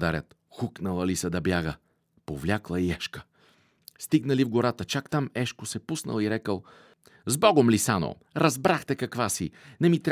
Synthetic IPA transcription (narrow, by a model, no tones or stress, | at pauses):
d̪aɾʲət̪ | xuknəlˠɐlisəd̪ɐbjaɡə | povlʲaklˠɐiɛʃkə̥ | st̪iɡnəlivɡoɾat̪ət͡ʃakt̪amɛʃkosɛpusnə̰lˠiɾɛkəlˠ | zbɔɡomlisano̰ | ɾɐzbɾaxt̪ɛkɐkvasinɛmit̪ɾʲ